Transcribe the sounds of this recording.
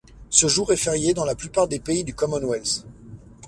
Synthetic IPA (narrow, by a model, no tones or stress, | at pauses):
səʒuʁɛfɛʁjed̪ɑ̃laplypaʁd̪epeid̪ykɔmɔnwɛls